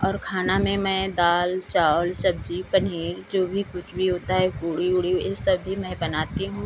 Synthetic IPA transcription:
ɔːɾkʰaːnamẽmɛ̃ːd̪aːlt͡ʃaːlsɐb̚d͡ʒipəniːɾd͡ʒoːbʱikʊt͡ʃʰbʱiɦoːt̪aɦɛkuːɽiʊɽiesɐbːimɛ̃bɐnaːt̪iɦũː

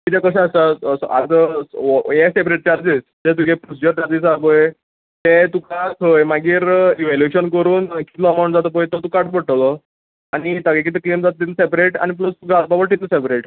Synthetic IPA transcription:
kit̪ɛkəɕasasa̰ɡ | jesepɾeʈ̚t͡ɕaɾd͡zisd͡ʑet̪̬ukepɾusid͡ʑəɾd͡ʑad͡ziːsaboj | t̪et̪ukasojmaɡiːɾiʋɛljueɕənkəɾuːnki̥t̪lɔəmawɳʈd͡zat̪əp̬əjt̪ət̪ũkaʈbəʈlɔ | añit̪əɡẽkit̪̬eklemd͡zat̪̚ːt̪it̪lsepɾeʈa̰ñiplosɡad̪̚pabəʈit̪ləsepɾeʈ

